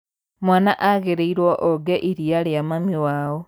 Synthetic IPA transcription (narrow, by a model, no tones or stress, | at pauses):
mwaːnaʔaɣeɾeiɾwoʔoɡeʔiɾialjamamiwaːo